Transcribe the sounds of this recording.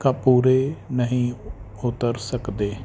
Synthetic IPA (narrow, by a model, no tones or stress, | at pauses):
kapuːɾeːnəɦĩː | ʊt̪əɾsəkd̪eː